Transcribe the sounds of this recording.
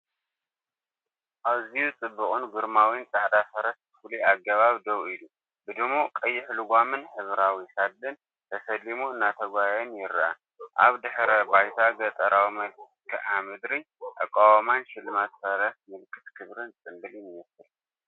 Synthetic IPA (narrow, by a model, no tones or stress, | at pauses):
ʔaβzijut͡sʼɨbːɨkʼɨnɡɨɾmawint͡sʼaʕd̪afɐɾɐsbɨfuliaɡɐβaβd̪ɐwilu | bɨd̪ɨmokʼɐjːɪħluɡʷamɨnħɨβɾawisad̪lːɨn | t̪ʰɐsɐlimuɨnːat̪ʰɐɡʷajɛnjɪɾʔa̰ | ʔa̰βd̪ɨħɾɐbajt̪ʰaɡɐt̪ʼɐɾʔawimɐ | kʰɐʔamɨd̪ɾi | ʔa̰kʼːawamanʃɪlmat̪fɐɾɐt̪mɨlkʰɨt̪kʰɨβɾɨnt͡sʼɨmbɨlɪnjɛsɨl